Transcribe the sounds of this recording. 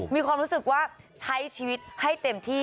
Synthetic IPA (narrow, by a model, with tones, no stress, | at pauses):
miː˧kʰwaː˧mɾu˦˥sɯ˨˩k̚waː˥˩ | t͡ɕʰa˦˥jt͡ɕʰiː˧wi˦˥t̪̚ha˥˩jt̪e˧mt̪ʰiː˥˩